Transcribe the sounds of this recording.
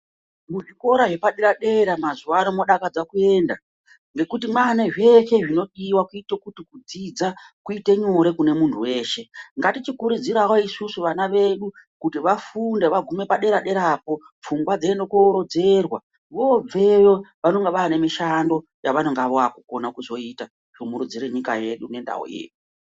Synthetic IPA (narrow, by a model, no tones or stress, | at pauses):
muʐiko̞ɾaʐe̞paɗeɾaɗe̞ɾamazuwaːnomoɗakad͡zakue̞ːnda | ŋɡe̞kutimwaneʐe̞ʃe̞ʐino̞ɗiwakuitokutikud͡zid͡zakuite̞ɲoɾe̞kune̞muntʰuwe̞ːʃe̞ŋɡatit͡ʃikuɾud͡ziɾawo̞isusuʋanaʋe̞ɗukutiʋafunde̞ʋaɡʱume̞paɗe̞ɾaɗe̞ɾapo̞ | p͡fuŋɡwad͡zeendokoɾo̞d͡ze̞rwa | ʋo̞b͡ve̞ʋoʋano̞ŋɡeʋaːne̞miʃando̞ | jaʋano̞ŋɡaʋoakuko̞nakuzo̞ita | ʐ̥omuɾud͡ziɾeɲikaje̞ɗune̞nda̰ɦo̰jḛːɗu